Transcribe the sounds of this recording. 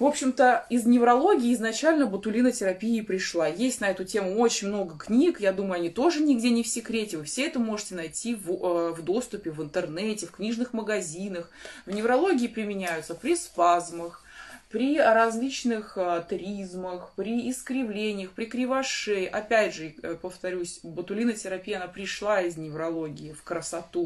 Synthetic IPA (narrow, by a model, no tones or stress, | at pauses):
vo̞pɕːɪmt̪əɪznʲɪvɾɐlˠo̞ɡʲɪːznɐt͡ɕælʲnəbət̪ʊlʲinətʲɪɾɐpʲiɪpɾʲɪʂlˠajesʲtʲnɐɛt̪ʊtʲe̞mʊo̞t͡ɕɪnʲmno̞ɡəknʲikjad̪uməjʊɐnʲit̪o̞ʐɨnʲɪɡdʲenʲɪfsʲɪkɾʲetʲɪvɨfsʲeɛt̪əmo̞ʐɨtʲɪnɐjtʲivvd̪o̞st̪ʊpʲɪvɨnt̪ɨrnɛtʲɪfknʲiʐnɨxməɡɐzʲinəxvnʲɪvɾɐlˠo̞ɡʲɪːpɾʲɪmʲɪnʲæjʊt̪səpɾʲɪspazməx | pɾʲɪɾɐzʲlʲit͡ɕnɨxət̪ɾʲizməxpɾʲɪːskɾʲɪvlʲenʲɪjəxpɾʲɪkɾʲɪvɐʂɛjʔɐpʲædʲʐɨpəft̪ɐɾʲusʲbət̪ʊlʲinətʲɪɾɐpʲijəɐnapɾʲɪʂlˠaɪznʲɪvɾɐlˠo̞ɡʲɪːfkɾəsɐt̪u